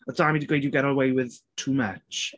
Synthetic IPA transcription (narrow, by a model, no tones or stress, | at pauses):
əsamidəɡweɪdjəɡɛɾələweɪwɪð̥tʰuːmʌt͡ʃ